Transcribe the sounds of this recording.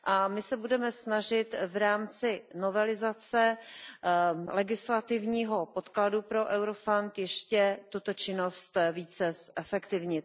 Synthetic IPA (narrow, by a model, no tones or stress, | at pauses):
ʔamɪsɛbudɛmɛsnaʒɪt̪vɾaːmt͡sɪnovɛlɪzat͡sɛ | lɛɡɪslat̪ɪvɲiːɦo̞pot̪kladupɾo̞ʔɛwɾofant̪jɛʃcɛt̪ut̪ot͡ʃɪno̞st̪viːt͡sɛsʔɛfɛkt̪ɪvɲɪt̪